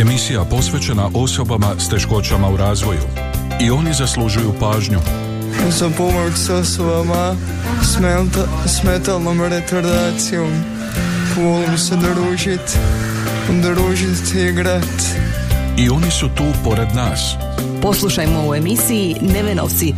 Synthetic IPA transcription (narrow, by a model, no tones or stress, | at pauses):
e̞misijapo̞sʋe̞t͡ʃenaʔo̞so̞bamast̪e̞ʃko̞t͡ʃamauɾaːzʋo̞jṵ | io̞nizaslˠuʒujupaːʒɲu | uzɐpomɐɾksosoɐma | s | smɛt̪alˠnomɐɾet̪oɾd̪asiom | folˠmsed̪əɾuʒit̪ | d̪əɾuʒit̪iɡɾat̪ | io̞nisut̪uːpo̞ɾe̞d̪naːs | po̞slˠuʃajmoue̞misiineʋeno̰ʋt̪si